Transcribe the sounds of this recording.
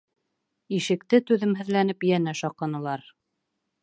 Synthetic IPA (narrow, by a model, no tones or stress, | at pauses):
iʃɘ̆kt̪ɘt̪ʉðɘmɦɘ̆ðlænɘpjænæʃɒqɑnɤ̆lˠɑɾ